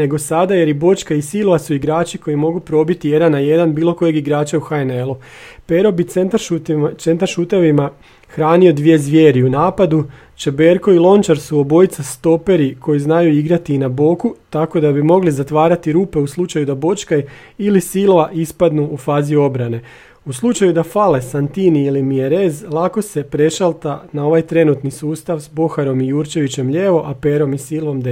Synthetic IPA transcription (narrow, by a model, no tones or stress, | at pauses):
ne̞ɡo̞sad̪aje̞ɾibo̞t͡ʃkaisilʋasuiɡɾaːt͡ʃiko̞jimo̞ɡupɾo̞bit̪ije̞d̪anːaje̞d̪anbiːlo̞ko̞je̞ɡiɡɾaːt͡ʃauxajnelˠu | pe̞ɾo̞bit̪ent̪aʃt̪se̞nt̪aɾʃuːt̪aʋima | xɾaːnio̞d̪ʋije̞zʋje̞ːɾiunaːpad̪u | t͡ʃe̞beɾko̞ilˠo̞nt͡ʃaɾsuo̞bo̞jit̪sast̪o̞pe̞ɾikʰo̞jiznajuiɡɾat̪iːnabo̞kut̪ako̞d̪abimo̞ɡlizat̪ʋaːɾat̪iɾuːpe̞uslˠut͡ʃajud̪abo̞t͡ʃkaj | ilisilʋaʔispad̪nuufaːzio̞bɾane̞ | uslˠut͡ʃajud̪afale̞sant̪iniilimieɾe̞zlˠako̞se̞pɾe̞ʃalˠt̪anao̞ʋajt̪ɾe̞nut̪nisuːst̪aʋsbo̞xaɾo̞mijuːɾt͡ʃe̞ʋit͡ɕe̞mʎeːʋo̞ʔape̞ːɾo̞misiːlʋo̞md̪e